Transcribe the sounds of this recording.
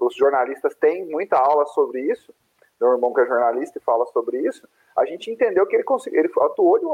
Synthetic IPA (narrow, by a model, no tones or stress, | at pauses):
ʊzʒoɾnalist̪ɐst̪ẽj̃mũj̃t̪ɐawlɐsobɾɪisʊ̥ | d̪ẽw̃ɪɾmɐ̃w̃kɪɐʒoɾnalist̪ɐɪfalɐsobɾɪisʊ̥ | a̰ʒẽnt͡ʃɪĩnt̪ẽnd̪ewkɪelɪkõsiɡelɪfat̪uowd͡ʒɪũ